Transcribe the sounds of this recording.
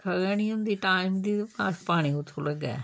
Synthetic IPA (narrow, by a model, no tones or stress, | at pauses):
kʰəɡəɽ̃iːɦʊ̃nd̪iːʈaːɪmd̪iːpaːspaːɽ̃iʊt̪ʰːoləɡɛ̰ː